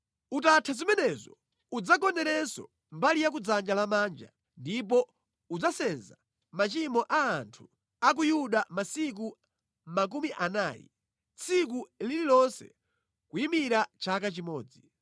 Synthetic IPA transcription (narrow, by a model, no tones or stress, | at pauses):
utatʰazimɛnɛzɔ̰ | ud͡zakɔnɛɾɛsɔ̰ | mbalijak̬ud͡zand͡ʒalamand͡ʒa̰ | ndip̬ɔ | ud͡zasɛnza | mat͡ʃimɔʔaːntʰu̥ | ak̬ujuɗamasik̬u | mak̬umiʔanaːjḭ | t͡sʰik̬ulililɔnsɛ̥̰ | kuimiɾat͡ʃakat͡ʃimɔːd͡zi